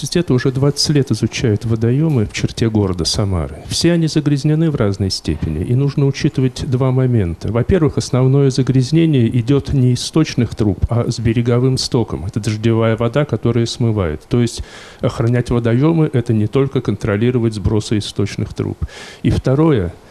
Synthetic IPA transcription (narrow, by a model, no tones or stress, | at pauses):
ɪtʲɛt̪əʊʐɛd̪vat̪sə̥tʲlʲe̞t̪ɪzʊt͡ɕæjʊt̪vəd̪ɐjo̞mɨft͡ɕɪrtʲeɡo̞ɾəd̪əsɐma̰ɾɨfsʲeɐnʲizəɡɾʲɪzʲnʲɪnɨvraznəjsʲtʲḛpʲɪ̰nʲɪ̰ʔinuʐnəʊt͡ɕit̪ɨvətʲd̪vamɐmʲe̞nt̪ʰəvɐpʲe̞rvɨxɐsnɐvno̞jəzəɡɾʲɪzʲnʲenʲɪjəʔɪdʲo̞t̪nʲɪːst̪o̞t͡ɕnɨxt̪ɾupʰɐzbʲɪɾʲɪɡɐvɨmst̪o̞kə̰mɛt̪əd̪əʐdʲɪvajəvɐd̪akɐt̪o̞ɾɨjəsmɨvajɪ̰t̪ːo̞jɪsʲtʲ | ɐxɾɐnʲætʲvəd̪ɐjo̞mɨʔɛt̪ənʲɪt̪o̞lʲkəkənt̪ɾɐlʲiɾəvətʲzbɾo̞sɨɪst̪o̞t͡ɕnɨ̰xt̪ɾṵpift̪ɐɾo̞jə